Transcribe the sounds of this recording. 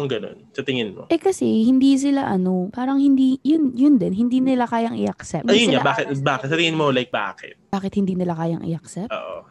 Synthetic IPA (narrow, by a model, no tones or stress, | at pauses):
ɐŋɡɐno̞̰nsɐt̪ɪŋɪnmo̰ʔɛkɐsɛhɪnd̪iːs̬ɪlaʔɐno̞paːɾɐŋhɪnd̪iːjʊnjʊnd̪ɛnɦɪnd̪iːnɪlakaːjɐŋʔɪʔɐksɛpɐijʊɲsɲaabaːkɪt̪̚baːkɪt̪sɐt̪ɪŋɪnmolajk̚ba̰ːkɪ̰t̪̚baːkɪt̪hɪnd̪iːnɪlakaːjɐŋʔɪ̰ʔɐksɛp̚o̰ːʔo̰